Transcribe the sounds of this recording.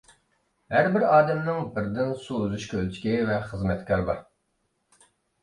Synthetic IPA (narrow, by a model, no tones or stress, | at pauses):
hæɾbɪɾɑːd̪ɛmnɪŋbɪɾd̪ɪnsuuzuʃkʲʰølt͡ʃʰi̥kʲivɛχəzmɛt̪kʲʰɑɾbɑ̰ɾ